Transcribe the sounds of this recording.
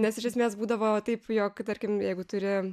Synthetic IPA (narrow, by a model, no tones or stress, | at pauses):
nʲɛsɪʃʲɛsʲmʲeːsbuːd̪ɐʋoːt̪ɐɪpjoːkt̪ɐɾʲkʲɪmjɛɪɡʊt̪ʊɾʲɪ